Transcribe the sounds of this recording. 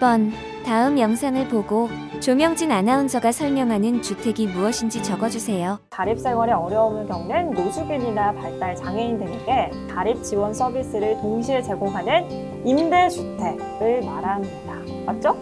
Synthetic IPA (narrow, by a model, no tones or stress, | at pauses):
ibʌn | taɯmjʌŋsʰaŋɯɭpoɡot͡ɕomjʌŋd͡ʑinanaund͡ʑʰʌɡasʰʌɭmjʌŋɦanɯnt͡ɕutʰe̞ɡimuʌɕʰind͡ʑit͡ɕʌɡʌd͡ʑusʰe̞jokaɾip̚s͈ʰe̞ŋwaɾeʌɾjʌumɯɭkjʌŋnɯndosʰuɡiɲinapaɭt͈aɭt͡ɕaŋeindeŋeɡe̞ | taɾip̚t͡ɕiwʌnsʰʌbis͈ɯɾɯɭtoŋɕʰiet͡ɕe̞ɡoŋɦanɯn | imde̞t͡ɕʰutʰe̞ | ɯɭmaɾaneda | mat̚t͡ɕ͈o